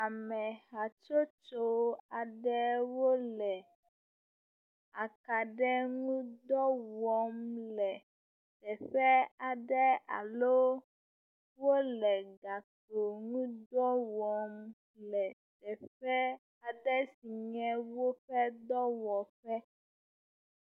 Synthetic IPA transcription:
a˨mɛ̃˨ɦa˨t͡ʃo˦t͡ʃo˦a˨ɖɛ˦wo˦lɛ˨ | a˨ka˨ɖɛ˦ŋũ˦d̪ɔ˦wɔ˨mlɛ˨ | t̪ɛ˨ɸɛ˦a˨ɖɛ˦a̰˨lo˦ | wo˦lɛ˨ɡa˨t̪o˨ŋũ˦d̪ɔ˦wɔ˨m | lɛ˨t̪ɛ˨ɸɛ˦ | a˨ɖɛ˦si˨ɲɛ̃˦wo˦ɸɛ˦d̪ɔ˦wɔ˨ɸɛ˦

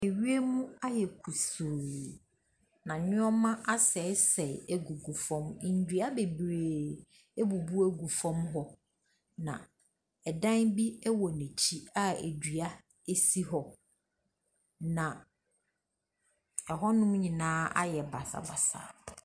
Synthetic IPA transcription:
e˨ɥi˦e˦mũ˦a˦jɛ˨kʰu˨suː˨ | nã˨nɪ̃˦ɔ˦mã˦ʔa˦sɛ˨˦sɛ˨e˨ɡu˨ɡu˨fɔ̃˦mɪ̃˨n̩˨dɥa˦be˨bɾe˨ | e˦bu˨bu˦æ˦ɡu˨fɔ̃˦mɦɔ˦ | nã̰˨ | ɛ˨dã˦nbi˦ɛ˦wɔ˨nɛ̃˨t͡ɕʰi˦a˦ḛ˨dɥa˦ | e˦si˦ɦɔ˨ | nã˨ | ɛ˨ɦɔ˦nʊ̃˦m˦ɲɪ̃˨nãː˦a̰˦jɛ˨ba˨sa̰˨ba˨sa̰˨

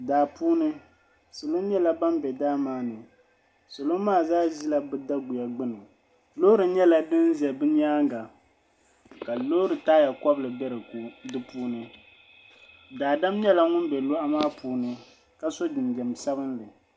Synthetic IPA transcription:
daː˨puː˦nɨ˦ | sɨ˨lo˦ɲɛ˦la˦ba˦mbɛ˨daː˦maː˦nɨ˨ | sɨ˨lo˦maː˦˨zaː˦ʒi˦la˦bɨ˦da˦ɡu˨ja˨ɡ͡bɨ˦nɨ˨ | lo˦ɾɨ˨ɲɛ˦la˦dɨ˦n˦zɛ˨bɨ˦ɲ˦aː˦ŋɡa˨ | ka˨lo˦ɾɨ˨taː˦ja˨kɔ˦blɨ˨bɛ˦ɾɨ˨ku˨dɨ˦puː˦nɨ˦ | daː˨da˦mɲɛ˦la˦ŋʊ˦nbɛ˨lʊ˦ʔa˦maː˦puː˦nɨ˦ | ka˦so˦dɨ˨ndɛ˨msa˦βɨ˦nlɨ˨

